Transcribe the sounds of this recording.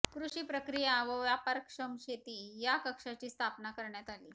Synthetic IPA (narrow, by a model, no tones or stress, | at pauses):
kɾuɕiːpɾəkɾijaʋəʋjapəɾkʂəmɕet̪iːjakəkʂat͡ɕiːst̪ʰapnakəɾɳjat̪aliː